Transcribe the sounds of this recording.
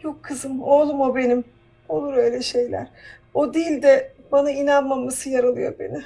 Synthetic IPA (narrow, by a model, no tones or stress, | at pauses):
jʰo̞kʰːɯzɯmolˠumo̞be̞nim | o̞lˠuɾø̞jlʲɛʃe̞jlʲæ̰ɾ̥od̪ilʲd̪ɛbanainanmamasɯjaɾalˠɯjo̞̰ɾbe̞̰nɪ